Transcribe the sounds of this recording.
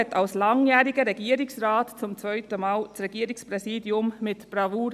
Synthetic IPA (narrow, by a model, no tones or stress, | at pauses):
ɛtɑlslɑŋjæːɾiɡəɾɛɡiːəɾɪksɾɑːtt͡sʊmt͡svœʏtəmɑːlt͡sɾɛɡ̥iːəɾɪkspɾɛsiːdjʊmmɪtb̥ɾɑvuːɾ